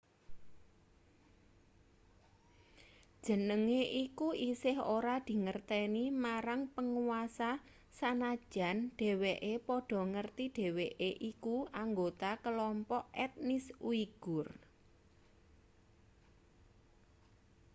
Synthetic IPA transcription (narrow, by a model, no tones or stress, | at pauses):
d̥ʒ̥ə̤nəŋeʔikuʔisɪhoɾad̪̥i̤ŋərt̪ɛnimaɾaŋpəŋuwasa | sanḁʒ̥a̤nɖ̥e̤weʔepɔɖ̥ɔ̤ŋərt̪iɖ̥e̤weʔeʔikuʔaŋɡot̪akəlɔmpɔʔɛt̪̚nɪswiɡ̥ʊr